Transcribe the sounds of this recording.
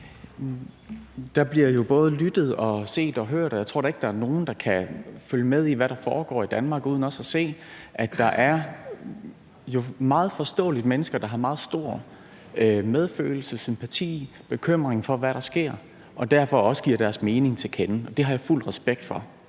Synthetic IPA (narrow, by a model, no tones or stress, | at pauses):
d̥ɑ̈b̥liɐjo̝b̥ɔ̽ːð̞̩ˠlyd̥ð̩ˠɒ̽se̝̰ːd̥ɒ̽ɦøɐ̰ɾ̥ɒjat͡sʰʁo̝̰ɾ̥ɑe̝ɡ̥̚d̥ɑ̈æɐno̝ːn̩d̥ɑ̈kʰæføljəmeð̞ˠiʋæɾɑ̈fɒːɡ̥ɒ̰ːid̥ænmɑ̈ːɡ̥uðˠn̩ɒ̽sæse̝̰ː | ʔæd̥ɑ̈ʔæɐ | jo̝mɑ̈ːð̩ˠfɒ̽sd̥ɔ̰̽ːlid̥əmenəsɡ̥ɐd̥ɑ̈ɦɑ̈mɑ̈ːð̞̩ˠsd̥o̝ɐ̰ | með̞ˠfø̰ːl̩səsympʰæt͡sʰḭː | b̥e̝kʰøm̰ʁeŋfɒ̽ʋæɾɑ̈sɡ̥e̝ɐ̰ | ʔɒ̽d̥æɐfɒ̽ɒ̽sə̥ɡ̥iɐ̰ɾ̥æɐsme̝ːne̝ŋt͡sʰe̝lkʰenəɒ̽d̥e̝ɦɑ̈jɑ̈ful̰dʁɛsb̥eɡ̥̚d̥fɒ̽